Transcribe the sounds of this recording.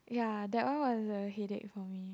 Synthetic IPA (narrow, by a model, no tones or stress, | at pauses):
jadɛʔ̚wãwɔzəɦɛdɛ̰t̚fɔmi